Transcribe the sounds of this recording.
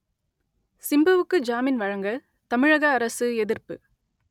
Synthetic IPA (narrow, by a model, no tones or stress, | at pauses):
sɪmbɯʋɯkːɯd͡ʒaːmɪnʋɐɻɐŋɡɐ | t̪ɐmɪɻɐɣɐːɾɐsɯɛðɪrpɯ